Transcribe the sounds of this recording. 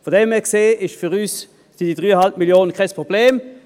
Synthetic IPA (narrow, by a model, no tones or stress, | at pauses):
foɐdɛmɛɐkseːɪʃfyʁys | sɪd̥id̥ʁyːəhalpmiljoːnənkʰaɪspʁob̥leːm